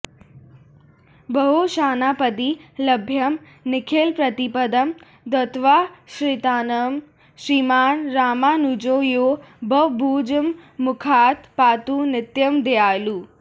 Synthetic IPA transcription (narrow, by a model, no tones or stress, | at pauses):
bəɦoʃaːnapəd̪iləbʱjɐm | nɪkʰeːlpɾɐt̪ipəd̪əm | d̪ɐt̪ʋaːʃɾit̪aːnəm | ʃɾiːmaːnɾaːmaːnud͡ʒoːjoː | bʱɐʋbʱuːd͡ʒəmːʊkʰaːt̪paːt̪unɪt̪jəmd̪eaːluː